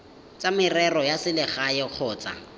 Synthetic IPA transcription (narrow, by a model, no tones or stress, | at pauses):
t͡sʼamɪrɛrɔjasɪlɪχajɔq͡χʰɔːt͡sʼa̰